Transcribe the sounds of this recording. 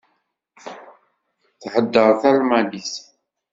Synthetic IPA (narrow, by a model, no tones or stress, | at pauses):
θħəd̪ːəɾˤθælmælis